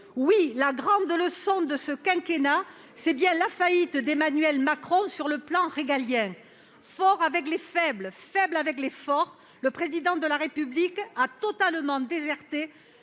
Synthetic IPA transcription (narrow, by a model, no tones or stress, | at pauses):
wilaɡʁɑ̃d̪ləsɔ̃d̪əsəkɛ̃kena | sɛbjɛ̃lafait̪d̪emanɥɛlmakχɔ̃syʁləplɑ̃ʁeɡaljɛ̃ | fɔʁavɛklefɛblfɛblavɛklefɔʁ | ləpχezid̪ɑ̃d̪əlaʁepyblikat̪ɔt̪almɑ̃d̪ezɛʁt̪e